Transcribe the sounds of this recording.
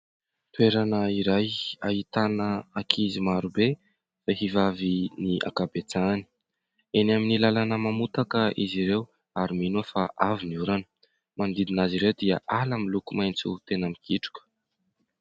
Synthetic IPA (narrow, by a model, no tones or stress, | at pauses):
t̪weɾanəiɾajaɦit̪anəakʰizimaɾube | faɦivaviniʔa̰kabet͡sani̥ | enaminilalanəmamut̪akəʔiziɾew | aɾiminuəfaʔaviniuɾanə̥ | mand̪id̪inaziɾewd̪iəʔalamilukumajnt͡sut̪enamikʰiʈ͡ʂu̥kʲə̥